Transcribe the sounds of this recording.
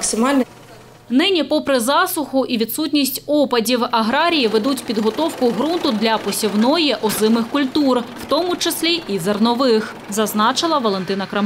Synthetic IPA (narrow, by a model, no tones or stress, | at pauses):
ksɪmɑlʲn | nɪnʲipɔpɾɪzɑsʊxʊʔiʋʲid̪sutʲnʲisʲtʲɔpɐdʲiwɐɦɾɑɾʲijiʋed̪utʲpʲid̪ɦɔt̪ɔwkʊɦɾunt̪ʊd̪lʲɐpɔsʲiwnɔjɛʔɔzɪmɪxkʊlʲt̪urwt̪ɔmʊt͡ʃesʲlʲiʔizɐrnɔʋɪx | zɐznɑt͡ʃɪlˠɐʋɔlˠent̪ɪnɐkɾɐm